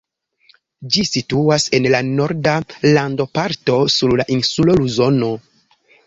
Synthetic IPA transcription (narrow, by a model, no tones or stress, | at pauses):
d͡ʒisituase̞nlano̞ɾdalando̞paɾto̞suɾlaʔinsulo̞luzo̞no̞